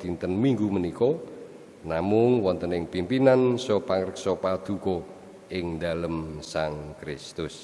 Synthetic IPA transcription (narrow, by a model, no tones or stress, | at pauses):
d̪int̪ənmiŋɡumənikɔ | namʊŋwɔnt̪ənɪŋpimpinansɔpaŋɾəksɔpad̪̥ṳkɔ | ɪŋd̪aləmsaŋkɾɪst̪ʊs